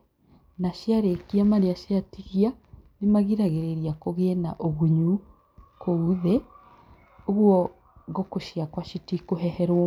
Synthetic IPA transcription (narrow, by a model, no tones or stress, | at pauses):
naʃjaɾekiamaɾeaʃeatiɣianemaɣiɾaɣeɾeɾiakoɣeɛna̰ʔoɣuɲu | kouðɛ | oɣwɔ | ɣokoʃjakwaʃitikoɦɛhɛɾwɔ